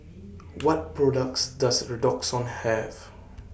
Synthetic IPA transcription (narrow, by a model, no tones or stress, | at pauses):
wɔt̚pɹɔdək̚tsdasɹədɔksɔ̃nhɛv